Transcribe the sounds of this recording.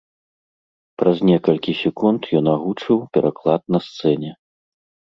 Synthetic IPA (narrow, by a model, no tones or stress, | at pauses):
pɾɐzʲnʲɛkɐlʲkʲisʲɛkunt̪jɔnaɣut͡ʂɨwpʲɛɾʔaklˠat̪̚nɐst̪sɛnʲɛ